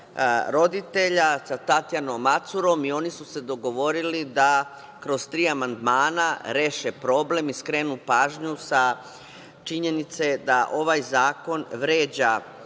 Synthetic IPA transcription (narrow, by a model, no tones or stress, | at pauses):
ɾo̞d̪it̪e̞ʎasat̪at̪janomːat̪suɾo̞mio̞nisuse̞d̪o̞ɡo̞ʋo̞ɾilid̪a | kɾo̞zt̪ɾiːamand̪maːnaɾe̞ːʃe̞pɾo̞ːble̞miskɾe̞nupaːʒɲusa | t͡ʃiɲe̞nit̪se̞d̪aʔo̞ʋajzaːko̞nʋɾe̞ːd͡ʑa